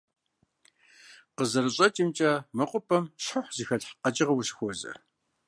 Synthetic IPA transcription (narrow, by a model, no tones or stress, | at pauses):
qəzɐɾɨɕʼɐtʼimt͡ʃʼaːmɐqʷʼʊpʰʼɐmɕħəħʷzixɐɮħqɐt͡ʃʼɪʁɐwʊɕxʷɔzɐ̰